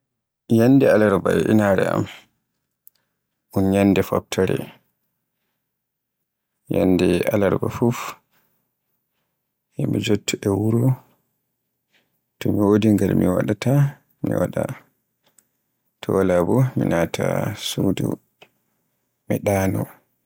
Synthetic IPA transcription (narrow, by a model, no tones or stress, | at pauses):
jandɛalaɾbaɛʔinaɾɛa̰m | ʔunɲanːdɛfap̚tʰaɾɛ̰ | janːdɛalaɾbafuf | hɛmid͡ʒotːuʔɛwuɾu | tɔmiwodiŋɡalmiwa̰ɗata | mḭwaɗa | tʰɔlabɔminatʰasudṵ | miɗaːnɔ